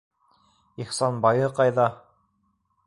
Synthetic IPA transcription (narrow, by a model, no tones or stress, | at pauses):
ihsɑnbɑjɤqɑjðɑ